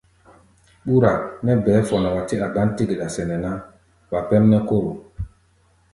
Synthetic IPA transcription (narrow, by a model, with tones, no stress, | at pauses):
ɓu˦ɾa˨nɛ˦bɛː˨˦fɔ˨na˨wa˨ti˦a˨ɡa˦nti˦ɡe˨ɗa˨sɛ˨nɛ˨na˦ | ɓa˨pɛ˦mnɛ˦ko˦ɾo˨